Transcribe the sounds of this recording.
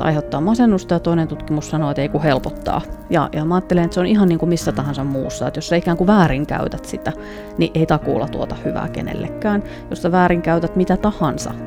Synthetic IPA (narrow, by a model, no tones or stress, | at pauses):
ɑ̰ihet̪ːɑːmɑsenːust̪ɑjɑt̪oinent̪ut̪kimussɑnoet̪eikuhelpot̪ːɑ̰ːjɑ̰jɑmɑɑːt̪ːelenet̪seonihɑnniːŋkumisːæt̪ɑhɑnsɑmmṵːsːɑ̰ːet̪jossɑikæːŋkuʋæːriŋkæ̰y̰t̪æt̪sit̪æ | niʔeit̪ɑkṵːlːɑt̪uot̪ɑhyʋæ̰ːkḛnḛlːḛkːæːn | jossæʋæːriŋkæyt̪æt̪mit̪æt̪ɑhɑnsɑ̰